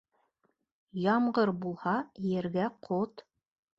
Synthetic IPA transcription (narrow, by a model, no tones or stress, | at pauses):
jɑmɢɤɾbulˠhɑjɘ̆ɾɡæqʰot̪